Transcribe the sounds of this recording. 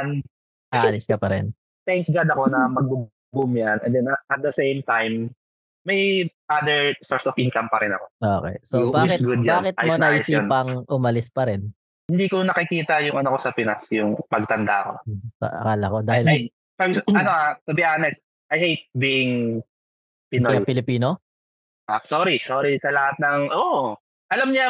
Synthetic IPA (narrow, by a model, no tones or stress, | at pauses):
n | ʔaɐlɪskɐpɐɾɛ̰n | t̪ɛŋksɡad̪ɐko̞nɐmɐɡ̚bʊ | bʊmjanɛnd̪ɛnʔɐt̪̚d̪ɐsejmt̪ajmː | ɐjʔad̪ɛɹsoɹsɔfɪnkɐmpɐɾɪnɐko̞ʔoːkɛ̰sobaːkɪt̚ɡʊd̪jbaːkɪt̪amonɐʔɪsiːnpɐŋʔʊmɐlɪspɐɾɛn | hɪnd̪iːkonɐkɪkiːt̪ɐjʊŋɐnokosɐpɪnasjʊŋpɐɡ̚t̪ɐnd̪a̰ʔɐko̞̰sɐ̰ʔɐ̰kaːlɐko̞d̪aːhɪl | pɐɡɐnoat̪obɪʔaːnɛs | ʔɐjhejt̪̚biʔɪŋ | pɪnoɐpɪlɪpiːno | ʔasoɾisoːɾisɐlɐhat̪̚nɐŋʔoʔ | ʔɐlɐmɲa